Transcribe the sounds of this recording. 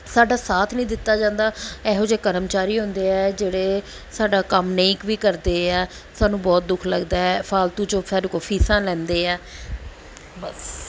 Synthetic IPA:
saːɖaːsaːt̪ʰnĩːd̪ɪt̪ːaːd͡ʒãːnd̪aːɛːɦoːd͡ʒeːkəɾəmt͡ʃaːɾiːɦõnd̪eːɛːd͡ʒeːɽeː | saːɖaːkəmneːkʋiːkəɾd̪eːɛː | saːnũːbɔːt̪̚d̪ʊkʰləɡd̪aːɛːpʰaːlt̪uːd͡ʒõːsaːɾokoːpʰiːsãːlɛ̃ːnd̪eːɛː | bəs

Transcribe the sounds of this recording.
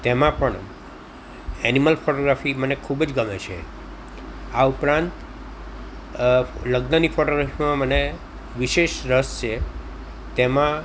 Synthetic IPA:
t̪emãpəɳ | ɛniməlfʰoʈoɡɾafimənekʰubd͡ʒɡəmet͡ʃʰḛ | aupɾãnt̪ | ləɡnənifʰoʈoɡɾafimãməne | ʋiʃeʃɾəst͡ʃʰe | t̪emã

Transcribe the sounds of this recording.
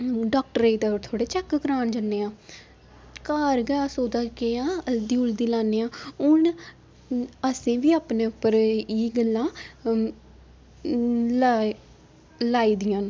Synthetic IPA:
ɖaːk̚ʈəɾeːid̪aːɾt̪ʰoːɽeːt͡ʃəkɡɾaːnd͡ʒənːeːãː | kaːɾɡɛaːsoːd̪aːkeãːd̪iːʊld̪iːlaːnːeːãːʊɳ | əsẽːʋiːaːpneːʊpːəɾiːɡəlːãː | la | laːiːd̪ɪjãːn

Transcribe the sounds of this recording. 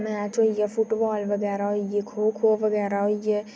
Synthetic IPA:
mẽat͡ʃoːijafʊʈbɔːlʋɐɡɛːɾaɦoijekʰoːkʰoːʋəɡɛːɾaɦoijeː

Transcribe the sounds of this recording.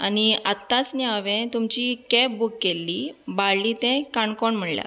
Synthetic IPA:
aniat̪ːat͡snɛaʋɛ̃t̪umt͡ɕiːkɛp̚bukːelːiːbaɭlit̪ɛ̃kaɳkɔɳm̤əɽlja̰

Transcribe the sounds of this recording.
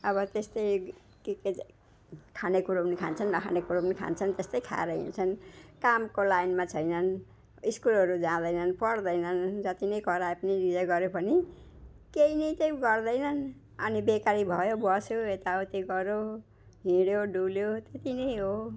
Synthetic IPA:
ʌβʌt̪est̪ʌj | keke | kʰanekuɾonikʰa̰nt͡sʰʌnːʌkʰa̰nekuɾobnikʰa̰nt͡sʰʌnt̪est̪ʌjkʰa̰ɾʌɦḭnt͡sʰʌnkamkolajnmat͡sʰʌjnʌn | iskulɦʌɾud͡zãd̪ʌjnʌnpʌrd̪ʌjnʌnd͡zʌt̪inʌjkʌɾaepʌniɾid͡zaɡʌɾjopʌni | keinʌjt͡sʌj̃ɡʌrd̪ʌjnʌn | ʌ̰nibekaɾibʱʌjobʌsjoet̪aot̪eɡʌɾjo | ɦĩɽjoɖuljot̪et̪inʌjɦo

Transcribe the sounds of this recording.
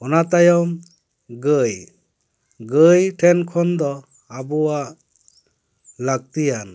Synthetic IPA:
ɔnat̪ajɔm | ɡəj | ɡəjʈʰɛnkʰɔnd̪ɔ | abuwaʔ | laɡ̚t̪ijan

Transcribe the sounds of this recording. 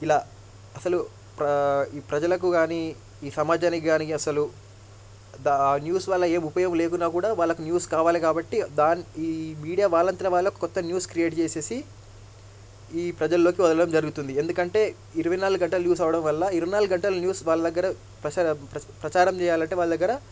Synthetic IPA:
ilaː | ɐsɐlu | pɐiːpɾɐd͡ʒɐlɐk̬uɡaːni | iːsɐmaːd͡ʒaːnikɡaːniɐsɐlu | d̪aːnjuːsʋaːlːɐe̞ːmupɐjɐmle̞ːkunːaːkuːɽaːʋaːɭːɐkunjuːskaːʋaːlikaːbɐʈːid̪aːniiːmiːɽijaːʋaːlɐnt̪ɐɾɐʋaːɭːɐjɔkːɐ̥kɔt̪ːɐnjuːskɾijeːʈt͡ʃe̞ːse̞ːsi | iːpɾɐd͡ʒɐlːo̞ːkiʋɐd̪ɐlɐɽɐmd͡ʒɐɾuɡut̪und̪ie̞nd̪ukɐɳʈe̞ː | iɾuʋɐjnaːluɡɐɳʈɐlɐnjuːs̬ɐʋɐɽɐmʋɐlːɐiɾuʋɐjnaːluɡuɡɐɳʈɐlɐnjuːsʋaːɭlːɐd̪ɐɡːɐɾɐ | pɐɐpɾɐt͡ʃaːɾɐmt͡ʃɛːjaːlɐɳʈeːʋaːɭːɐd̪ɐɡːɐɾɐ

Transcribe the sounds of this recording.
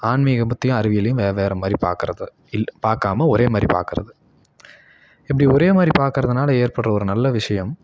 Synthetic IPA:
aːɳmiɣɐmʊt̪ːɪjɐ̃ɐɾɯʋɪjɐlɐjɯ̃ʋeːɐʋeːɾɐmaːd̪ɾipa̰ːkɾɐðɐ | ɪpaːɾkaːmɐɔɾeːmaːd̪ɾḭpa̰ːɾkɪɾɐ̰ðɯ | ɪp̬ːɐɽiɔɾeːmaːd̪ɾipaːɾkɪɾɐðɐnaːlɐeːɾpɐɽrɐɔɾɯnɐlːɐʋɪʂɐjɐm

